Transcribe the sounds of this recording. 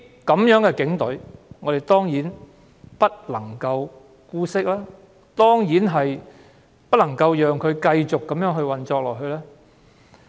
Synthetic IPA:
kɐ˨˧mjœː˨˥ŋkɛː˧kɪ˨˥ŋt̪ɵ˨˥ɥŋɔː˨˧ɾjt̪ɔː˥ŋjiː˨˥n | pɐ˥t̚lɐ˨˩ŋkɐ˧w | kuː˧sɪ˥k̚laː˥ | t̪ɔː˥ŋjiː˨˥nɦɐ˨j | pɐ˥lɐ˨˩ŋkɐ˧wjœː˨ŋkʰɵ˨˧ɥkɐ˧jt͡ʃʊ˨kːɐ˨˧mjœː˨˥ŋɦɵ˧ɥwɐ˨nt͡ʃɔː˧k̚lɔː˨k̚ɦɵ˧lɛː˥

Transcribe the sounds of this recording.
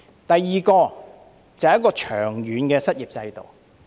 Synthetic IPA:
t̪ɐ˨jːiː˨˩kɔː˧ | t͡sɐ˨whjɐ˥kɔː˧t͡ʃʰœː˨˩ŋjyː˨˥nkɛː˧sɐ˥t̚jiː˨p̚t͡sɐ˧jt̪o̰˨w

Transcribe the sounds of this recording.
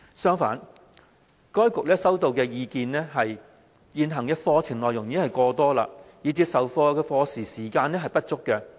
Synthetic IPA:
sœː˥ŋfa̰ː˨˥n | kɔː˥jkʊ˨k̚lɛː˥sɐ˥wt̪o˨wkɛː˧jiː˧kiː˧nɛː˥ɦɐ˨j | jiː˨nɦɐ˨˩ŋjkɐ˥t̚fɔː˧t͡sʰɪ˨˩ŋlɔː˨jʊ˨˩ŋjiː˨˥hɐ˨jkɔː˧t̪ɔː˥la̰ː˧jiː˨˧t͡siː˧p̚sɐ˨wfɔː˧kɛː˧fɔː˧siː˨˩siː˨˩kaː˧nɛː˥ɦɐ˨˩jpɐ˥t̚t͡sʊ˥kːɛ˧

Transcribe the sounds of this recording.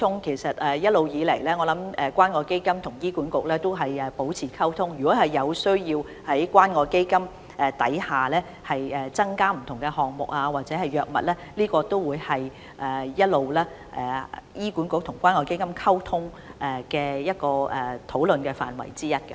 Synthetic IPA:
ʊ˥ŋkʰe˨˩jsɐ˨t̚ɛː˨jɐ˥t̚lo˨˧wjiː˨˧le˨˩jlɛː˥ŋɔː˨˧lɐ˨˥mɛ˨kʷaː˥nŋɔː˧ke˥jkɐ˥mt̪ʰʊ˨˩ŋjiː˥kuː˨˥nkʊ˨k̚lɛː˥t̪o˥wɦɐ˨jɛː˨po˨˥wt͡sʰiː˨˩kʰɐ˥wt̪ʰʊ˥ŋjyː˨kɔː˨˥hɐ˨jːɐ˨˧wsɵ˥ɥjiː˧w | hɐ˨˥jkwaː˥nŋɔː˧ke˥jkɐ˥m | ɛ˨t̪ɐ̰˨˥jhaː˨lɛː˥ | hɐ˨jɛː˨˩t͡sɐ˥ŋkaː˥m̩˨˩t̪ʰʊ˨˩ŋkɛ˧hɔː˨ŋ̚mʊ˨k̚aː˧waː˨t̚t͡sɛː˨˦˥hɐ˨jœː˨k̚mɐ̰˨t̚lɛː˥liː˥kɔː˧t̪o˥wwuː˨˧jhɐ˨j | ʔɛː˨˩jɐ˥t̚lo˨wlɛː˥ | ʔɛ̰ː˨jiː˥ku˨˥nkʊ˨k̚t̪ʰʊ˨˩ŋkʷaː˥nŋɔː˧ke˥jkɐ˥mkʰɐ˥wt̪ʰʊ˥ŋ | ʔɛː˨˩kɛː˧jɐ˥t̚kɔː˧ʔɛː˨t̪ʰo˨˥wlɵ˨nkɛː˧fa̰ː˨˩nwɐ̰˨˩jt͡siː˥jɐ˥t̚kɐ˧

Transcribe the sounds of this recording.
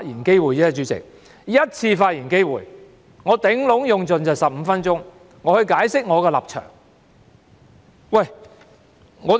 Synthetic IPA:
jiː˨˩nke˥jwuː˨jt͡sɛː˥t͡ʃyː˨˧t͡sɪ̰˨k̚ | jɐ˥t̚t͡sʰiː˧faː˧t̚jiː˨˩nke˥jwuː˨j | ŋɔː˨˧t̪ɪ˨˥ŋlʊ˨˧˥ŋjʊ˨˧ŋt͡sɵ˨nt͡sɐ˨wsɐ˨p̚m̩˨˧˦fɐ˥nt͡sʊ˥ŋ | ŋɔː˨˧hɵ˧ɥkaː˨˥jsɪ˥k̚ŋɔː˨˧kɛ˧lɐ̰˨˩p̚t͡ʃʰœ̰ː˨˩ŋ | wɐ˨˩j | ŋɔː˨˧

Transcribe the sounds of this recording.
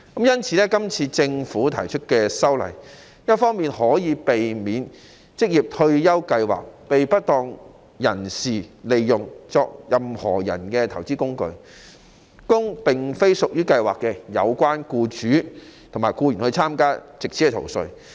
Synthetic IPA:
kɐ˨˦mjɐ˥nt͡sʰiː˧˥lɛː˥kɐ˥mt͡sʰiː˧t͡sɪ˧ŋfuː˨˥t̪ʰɐ˨˩jt͡ʃʰɵ˥t̚kɛː˧sɐ˥wlɐ̰˨˩j | jɐ˥t̚fɔː˥ŋmiː˨nɦɔː˨˥jiː˨˧pe˨jmiː˨˥n | t͡sɪ˥k̚jiː˨p̚t̪ʰɵ˧ɥjɐ˥wkɐ˧jwa̰ː˨k̚pe˨jpɐ˥t̚t̪ɔː˧ŋ | jɐ˨˩nsiː˨le˨jjʊ˨ŋt͡sɔː˨˧k̚jɐ˨mhɔ̰ː˨˩jɐ̰˨˩nkɛː˧t̪ʰɐ˨˩wt͡siː˥kʊ˥ŋkɵ˧ɥ | kʊ˥ŋpɪ˨ŋfe˥jsʊ˨k̚jyː˥kɐ˧jwa̰ː˨˩kːɛ˧jɐ̰˨˧wkʷaː˥nkuː˧t͡ʃyː˨˥t̪ʰŋmaː˨˩jkuː˧jy˨˩nhɵ˧t͡sʰaː˥mkaː˥t͡sɪ˨k̚sʰi˨˥ɛ˧t̪ʰo̰˨˩wsɵ˧ɥ

